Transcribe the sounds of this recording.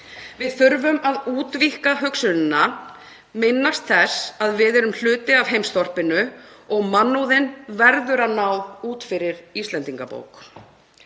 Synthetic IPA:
vɪðθʏɾvʏmaðuːt̪vihkaɦœksʏlɪnːa | mɪnːast̪θɛsaðvɪðɛɾʏml̥ʏːt̪ɪav̥ɦejmst̪ɔr̥pɪnʏɔɣmanːowðɪnvɛɾðʏɾanawuːt̪fɪɾɪɾist̪lɛnt̪iŋkapo̰ːwk

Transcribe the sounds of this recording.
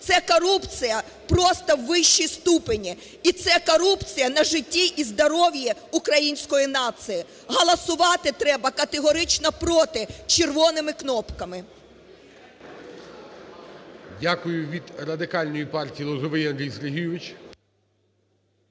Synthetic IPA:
t̪sɛkɔɾupt͡sʲijɐ | pɾɔst̪ɐwːɪʃːijst̪upenʲi | it̪sɛkɔɾupt͡sʲijɐnɐʒɪtʲːiʔizd̪ɔɾɔʋʲjiukɾɐjinʲsʲkɔjinɑt̪sɨji | ɦɐlˠɐsʊʋɑt̪ɪt̪ɾɛbɐkɐt̪eɦɔɾɪt͡ʃnɐpɾɔt̪ɪt͡ʃerʋɔnɪmɪknɔpkɐmɪ | dʲakʊjʊʋʲid̪rɐd̪ɪkɑlʲnɔjipɑrtʲijːlˠɔzɔʋɪjɐnd̪ɾʲijsɾeɦʲijʊʋɪt͡ʃ

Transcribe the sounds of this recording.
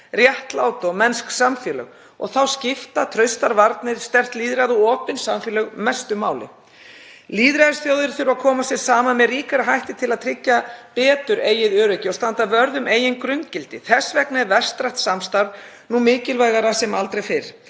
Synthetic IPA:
rjɛht̪laːwt̪ɔmɛnsksamfjɛlœ̰ɣ | ɔ̰ɣθawscɪft̪at̪ʰɾœɥst̪aɾvaɾt̪nɪɾ̥st̪ɛr̥t̪liːðɾaðuɔːpɪnsamfjɛlœɣmɛst̪ʏmaːwlɪ̰ | liːðɾaðsθjowðɪɾθɪɾʏvakʰɔːmasjɛɾ̥saːmanmɛðriːkaɾaɦajht̪ɪt̪ʰɪlaðt̪ʰɾɪcːapɛːt̪ʏɾeːjɪðœːɾœcɪɔst̪ant̪avœɾðʏmeːjɪnkɾʏnt̪cɪlt̪ɪθɛsvɛknɛvɛr̥st̪ɾaht̪samst̪aɾðnumɪːcɪlvajɣaɾasɛmalt̪ɾejfɪɾ̥

